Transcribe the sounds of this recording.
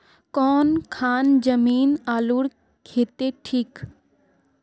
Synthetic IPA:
kɔːnkʰaːnd͡ʒəmiːnaːluɽ | kʰeːt̪eʈʰiːk

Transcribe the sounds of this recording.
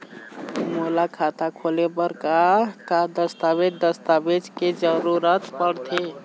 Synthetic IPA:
molakʰat̪akʰolebəɾkakad̪əst̪abed̪əst̪abed͡ʒked͡ʒəɾuɾət̪pəɽt̪ʰe

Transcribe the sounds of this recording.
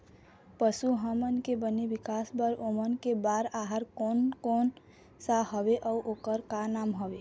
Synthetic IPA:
pəsuɦəmənkebənebikasbəɾomənkebaɾaɦaɾkonkon | sahɔbeʔɔʔokəɾkanamɦɔbe

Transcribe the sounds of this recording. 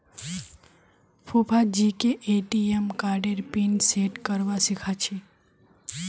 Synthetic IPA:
pʰupʰad͡ʒikeʔeʈiemkaɾɖeɾpinseʈkəɾʋasikʰat͡ʃʰi

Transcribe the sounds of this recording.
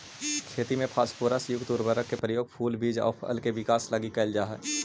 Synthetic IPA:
kʰeːt̪imẽpʰaːspuːɾasjʊɡt̪uːɾbəɾəkkːepɾəjoːɡpʰuːlbiːd͡ʒɔ̰ːpʰə̰lkeʋɪkaːslaɡikəːld͡ʒaːɦɛ̰ː

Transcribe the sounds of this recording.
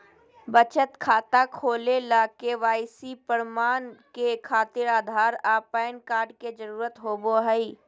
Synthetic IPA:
bət͡ʃət̪kʰaːt̪akʰoːlelaːkeʋaːɪsipəɾmaːnkekʰaːt̪ɪɾaːd̪ʱaːɾaːpaːjənkaːɾɖked͡ʒəɾuːɾət̪ɦoːboɦəi

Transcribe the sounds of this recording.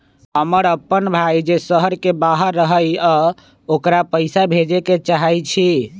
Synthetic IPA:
əməɾəpːənbʱajd͡ʒesəɦəɾkebaɦəɾːəɦəjə | okɾapəjsabʱed͡ʒeket͡ʃaɦəjt͡ʃʰi

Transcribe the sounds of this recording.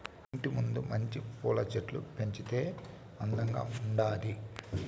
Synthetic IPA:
iɳʈimund̪umɐɲt͡ʃikuːlɐt͡ʃeʈlṵpe̞ɲt͡ʃit̪e̞ː | ɐnd̪ɐŋɡa̰ːuɳɖaːli

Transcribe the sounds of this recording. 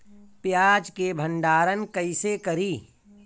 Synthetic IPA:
pjaːd͡ʒkebʱə̃ɳɖaːɾənkəɪsekɐɾiː

